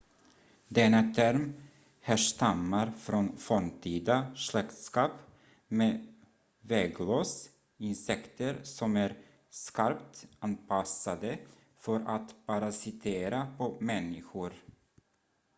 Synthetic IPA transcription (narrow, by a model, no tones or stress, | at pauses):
d̪ɛnːat̪ʰæɾm | hæʂt̪amːaɾfɾɔnfɔmt̪ʰiːd̪aʂɭɛkt̪skɑːp | meː | vɛɡloːs | ɪnsɛkt̪əɾsɔmæɾ | skaɾpt̪anpʰasad̪ə | fœɾʔat̪pʰaɾasɪt̪ʰeːɾapʰɔmɛnːɪɧʊɾ